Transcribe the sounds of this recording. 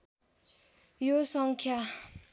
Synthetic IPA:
josɑŋkʰa

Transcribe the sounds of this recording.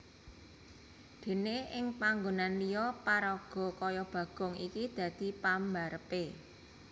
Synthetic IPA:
d̪̥e̤neʔɪŋpaŋɡonanlijɔpaɾɔɡ̥ɔ̤kɔjɔb̥ä̤ɡ̥ɔ̤ŋikid̪̥ä̤d̪̥i̤pambaɾəpe

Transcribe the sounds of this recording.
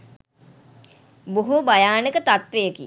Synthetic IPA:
boɦubajaːnəkət̪at̪ʋejəki

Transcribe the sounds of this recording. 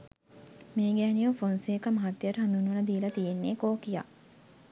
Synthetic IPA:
meːɡæːnijufonseːkɐmɐɦat̪ːjəʈəɦand̪unʋɐnɐd̪iːlɐt̪ijenːeːkoːkija̰

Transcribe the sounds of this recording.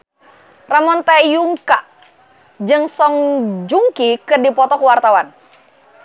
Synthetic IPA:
ramɔnt̪ajuŋkaʔ | d͡ʒɨŋsɔŋd͡ʒuŋkikədipɔt̪ɔkəwart̪awan

